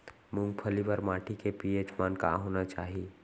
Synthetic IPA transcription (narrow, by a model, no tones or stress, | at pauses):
mʊ̃ŋɡpʰəlipəɾmaːʈʰikepiːed͡ʒmaːnka̰ɦoːnat͡ʃaːɦie